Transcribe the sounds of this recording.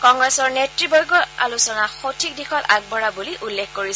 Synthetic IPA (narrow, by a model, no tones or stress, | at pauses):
kɔŋɡɹɛsɔɹnetɹibɔjɡɔa̰lusɔnaxotʰik̚dixɔtaɡ̚bɔɹabuliʔulːekkoɹis